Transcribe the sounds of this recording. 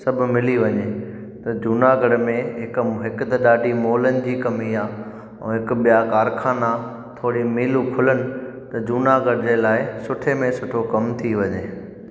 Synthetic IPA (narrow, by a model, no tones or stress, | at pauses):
sɐbʱʊ̆mɪliʋɐɲe | t̪ɐd͡ʑuːnaɡɐɽmẽɦɪkɦɪkʊt̪ɐɗaːɗimoːlənɪ̆d͡ʑiːkɐmiaː | ṵ̃ɦɪkɓijakaːɾkʰaːna | t̪ʰoːɽimiːlũkʰʊlənɪ̆ | t̪ɐd͡ʑuːnaɡɐɽd͡ʑeːlaːɪsʊʈʰemẽsʊʈʰokɐmt̪ʰiʋɐɲeː